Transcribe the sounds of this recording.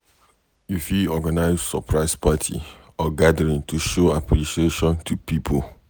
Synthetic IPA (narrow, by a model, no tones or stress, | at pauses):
ifjuɔɡanaɪssɔpʰɹaɪspʰatʰḭ | ɔɡadəɹĩŋtuʃoapʰɹiʃieʃɔ̃ntʰupipʰo